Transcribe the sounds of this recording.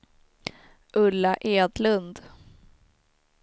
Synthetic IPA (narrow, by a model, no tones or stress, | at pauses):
ʔɵlːaʔeːd̪lɵnd̪